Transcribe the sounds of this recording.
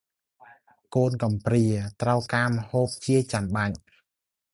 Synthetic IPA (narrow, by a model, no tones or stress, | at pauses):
koːnkɑmpriət̪rəwkaːməhoːp̚t͡ɕiət͡ɕanɓaɲ